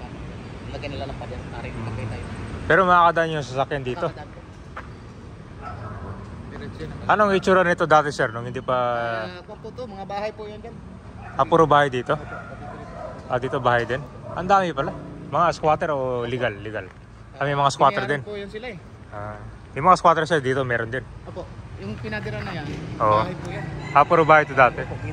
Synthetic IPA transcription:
ɐlɐɡɐnɐlaɐpɐd̪ɐna | pɛːɾomɐŋakɐd̪aʔanjʊŋs̬ɐsɐkjand̪iːt̪o̞ | ʔɐnoŋɪt͡ʃuːɾɐɾnɪt̪o̞d̪aːt̪ɛsɛɾnʊŋhɪnd̪ipɐ | mŋabahɐjpujʊnd͡ʒɐn | ʔɐpuːɾobaːhajd̪iːt̪o̞ | ʔad̪iːt̪obaːhɐjd̪ɪnʔɐnd̪aːmɪpɐlamɐŋaskwaːt̪ɛɾolɪɡalːɪɡal | ɐmɐjmɐŋaskwaːt̪ɛɾd̪ɪnjɪl | ʔaː | jʊŋmɐŋaskwaːt̪ɛɾsɛɾd̪iːt̪o̞mɛːɾond̪ɪnojʊŋpɪnaɡɐɾanɐʔoːʔ | ʔapuːɾobaːhajt̪od̪aːt̪ɛ

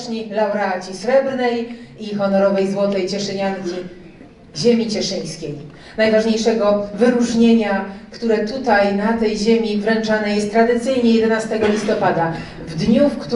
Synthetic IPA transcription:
ɲilawɾat͡ɕisɾɛbɾnɛjixɔnɔɾɔvɛjzwɔt̪ɛjt͡ɕɛʂɛɲankʲi | ʑemʲit͡ɕɛʂɘj̃skʲej | najvaʐɲejʂɛɡɔvɘɾuʐɲeɲakt̪uɾɛt̪ut̪ajnat̪ɛjʑemʲivɾɛnt͡ʂanɛjɛst̪ːɾad̪ɘt̪sɘjɲɛjɛd̪ɛnast̪ɛɡɔlʲist̪ɔpad̪a | vd̪ɲufkt̪

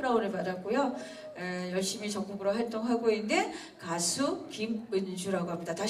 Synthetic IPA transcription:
ɾaunɯɭpadak͈ojo | ejʌɭɕ͈imit͡ɕʌk͈̚uɡɯɾoɦaɭt͈oŋɦaɡoinnde̞ | kasʰukimɯnd͡ʑʰuɾaɡoɦamɲidataɕ

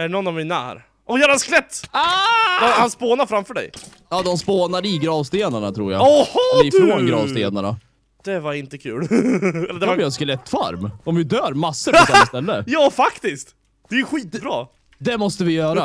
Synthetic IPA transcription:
æɖnɔnːavmina̰æ̰ɾ | ʔɔjœːɾɛnsklɛt̪ːad̪ɔhanspoːnaɾfɾamfœːɖɛ̰j | jɑːd̪ɔmspoːnaɾɪɡɾɑːvst̪eːnaɳat̪ʰɾṵːja̰ɔhɪfɾoːnɡɾɑːvst̪eːna̰ɳa̰ | d̪̥ɛvaɾɪnt̪əkʰʉ̟ːlɛlːd̪ɛaɪɾɛnsklɛt̪ːfa̰ɾmɔmvɪd̪œːɾmasːəɾd̪ɛst̪ɛlːəjɑːfakt̪ɪskt̪ | d̪ɛjʉɧiːt̪bɾɑ̰ː | d̪ɛmɔst̪əvɪjœːɾa

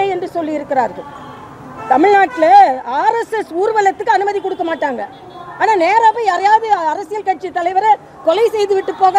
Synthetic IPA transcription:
ɐɛndrɯsɔlːɪjɪɾɯkːɪɾa̰ːɾɣɐ | t̪ɐmɪɻnaːʈːɪlɐaːɾɛsɛsuːɾɯʋɐlɐt̪ːɯkːɯɐnɯmɐðikːɔɽɯkːɐmaːʈːaːŋɡɐ̰ | aːnaːneːɾaːpɐ̃ɛːɾɐjaːðɯɐɾɐsɪjɐlkɐʈ̚t͡ʃit̪ːɐlɐɪʋɐɾɐ | kɔlɐɪsɛjðɯʋɪʈːɯpːoːɣɐ

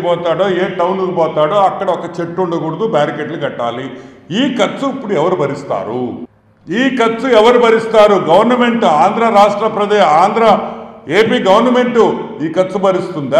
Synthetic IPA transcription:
pɔːt̪aːɽo̞ːeːʈɐwnuɡɐpɔːt̪aːɽo̞ːɐkːɐɽɐɔkɐt͡ʃeʈːuɳɖɐɡuɽud̪ubaːɾikeʈluɡɐʈːa̰ːli | iːkɐsuipːuɽuɛʋɐɾubɐɾist̪a̰ːɾu | iːkɐsuɛʋɐɾubɐɾist̪aːɾuɡɐʋɐɾnɐme̞ɳʈaːnd̪ɾɐɾaːʂʈɾɐpɾɐd̪eːʃaːnd̪ɾaːe̞ːpiːɡɐʋɐɾnɐmeɳʈuiːkɐt̪ːsubɐɾist̪und̪

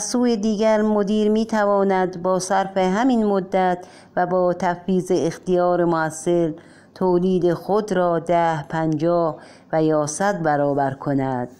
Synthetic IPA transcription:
æzsuːjed̪iːɡæɾmod̪iːɾmiːt̪ʰævɒːnæd̪bɒːsæɾfeɦæminmod̪ːæt̪ʰ | væbɒːt̪ʰæfiːzeːxt̪ijɒːɾemoæsːe̞l | t̪ʰoːliːd̪exod̪ɾɒːd̪æhpʰænd͡ʒɒːh | væjɒːsæd̪̚bæɾɒːbæɾkʰo̞næd̪̥

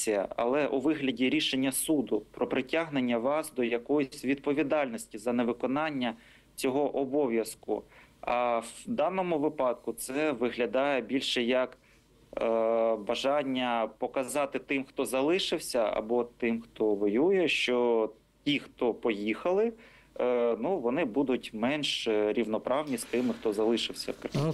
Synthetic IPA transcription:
ijɐ̰ɐ̰lˠɛʔuʋɪɦlʲɐdʲiɾʲiʃenʲːɐsud̪ʊpɾɔpɾɪtʲaɦnenʲːɐʋɑsd̪ɔjɐkɔjʊsʲʋʲid̪̚pɔʋʲid̪ɑlʲnɔsʲtʲizɐneʋɪkɔnɑnʲːɐ | t͡sʲɔɦɔʔɔbɔʋʲjɐskʊ̰ɐwd̪ɑnɔmʊʋɪpɑd̪̚kʊt̪sɛʋɪɦlʲɐd̪ɑjɛbʲilʲʃɛjɐk | bɐʒɑnʲːɐpɔkɐzɑt̪ɪt̪ɪmxt̪ɔzɐlˠɪʃɪwsʲɐɐ̰bɔt̪ɪmxt̪ɔʋɔjujɛʃt͡ʃɔ | tʲixt̪ɔpɔjixɐlˠɪ | nuʋɔnɪbud̪ʊtʲmɛnʃɾʲiwnɔpɾʔɑwnʲist̪ɪmɪxt̪ɔzɐlˠɪʃɪwsʲɐ̰wkɾɐ

